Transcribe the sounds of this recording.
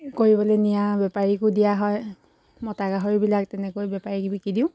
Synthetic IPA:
koɹibɔlenijabɛpaɹikʊdijaɦɔj | mɔtaɡaɦɔɹibilak̚tɛnɛkojbɛpaɹikbikidĩʊ̃

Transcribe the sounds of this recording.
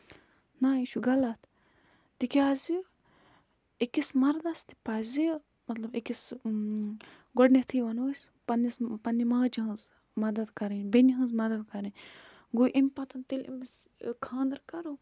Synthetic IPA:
naːiʃuɡɐlat̪ʰ | t̪ikʲaːzi | ekismɐɾd̪ɐst̪i̥pazi | mɐt̪lɐbekis | ɡoɖnet̪ʰiʋɐnɐsʲ | pɐnːispɐnimɐɡd͡ʒiɦɐ̃nz | mɐd̪ɐd̪kɐɾɐnbeniɦɐ̃nzmɐd̪ɐd̪̚kɐɾɐn | ɡoʔimpɐt̪ɐnt̪ilḭms | kʰãːnd̪ɐɾkɐɾo

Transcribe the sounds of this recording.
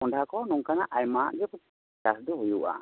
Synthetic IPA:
ɔɳɖʱakɔnuŋkanaʔajmaʔd͡ʒɔpɔ | asd̪ɔɦujuʔa̰

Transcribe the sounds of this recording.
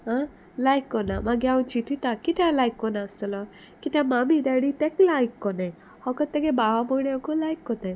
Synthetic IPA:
a | lajkːɔnamaɡjaũnt͡ʃit̪ʰit̪akit̪alajkːɔnasɔlɔ | kit̪amamid̪aɽit̪ɛklajkːɔnaj | hɔkɔt̪ːɛɡebababɔnekɔlajkːɔna

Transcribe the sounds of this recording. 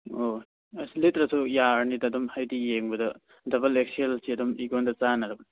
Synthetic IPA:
o | ɐslitɾɐsʰujaɾnidɐdumhajdijeŋbɐdɐ | dɐbɐlek̚sielsiɐdumiɡondɐt͡ʃanɐɾɐbɐni

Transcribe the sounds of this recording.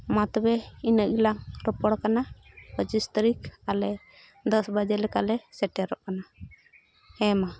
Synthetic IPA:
mat̪ɔbɛinəʔɡilaŋɾɔpɔɽkana | bəd͡ʒist̪ɾikalɛ | d̪ɔsbad͡ʒəɾlɛka̰ʔlɛsɛʈɛɾɔʔkana | hɛ̃ma

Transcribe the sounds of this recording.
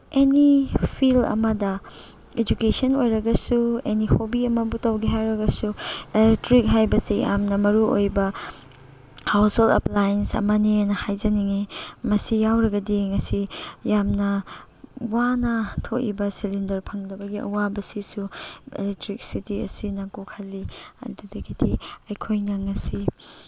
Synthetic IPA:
enipʰilɐ̰mɐdɐ | ed͡ʒukesɐnojɾɐɡɐsuenihobiɐmɐbutɐwɡiɦajɾɐɡɐsuelek̚tɾik̚ɦajbɐsija̰mnɐmɐɾuojbɐ | hawsholɐ̰plajensɐ̰mɐninɐhajd͡ʒɐniŋimɐsijawɾɐɡɐdiŋɐsijamnɐ | wanɐtʰoʔḭbɐsilindɐɾpʰɐŋdɐbɐɡiɐ̰wabɐsisuḛlek̚tɾik̚sitiɐ̰sinɐkukʰɐlːiɐ̰dudɐɡidiɐjkʰojnɐŋɐsi

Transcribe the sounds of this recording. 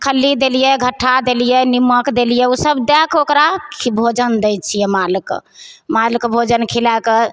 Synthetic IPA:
kʰəlːid̪elijɛɡʱəʈʰːad̪elijɛniməkd̪elijɛusəbd̪ɛkokɾakʰibʱod͡ʒənd̪ɛjt͡ʃʰijɛmalik | malikbʱod͡ʒənkʰilake

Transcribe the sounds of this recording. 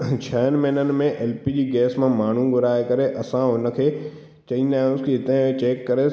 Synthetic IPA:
t͡ɕʰɐːənmeɦnənɪ̆mẽʔeːlpid͡ʑiːɡɛːsmãmaːɳ̤ũɡʊɾaːekɐɾeʔɐsãɦʊnə̆kʰeː | t͡ɕɐĩːn̆d̪aːɦjʊ̃skiɪt̪ə̃ɦɪ̃ẽt͡ɕeːkːɐɾe

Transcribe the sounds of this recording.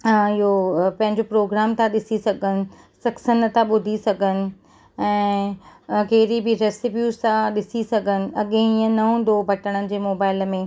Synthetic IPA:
ɪɦopɐ̃ɦɪ̃ɲd͡ʑopɾoːɡɾaːmt̪ãɗɪsisɐɡʱənɪ̆ | sɐksənə̆t̪ãɓʊd̪ʱisɐɡʱənɪ̆ | ɛ̃ː | keːɾibʱɪɾeːsɪbjuːzt̪ãɗɪsisɐɡʱənɪ̆ɐɠẽĩːə̃nɐɦũːnd̪obʱɐʈəɽ̃ənɪ̆d͡ʑeːmoːbaːɪlmẽ

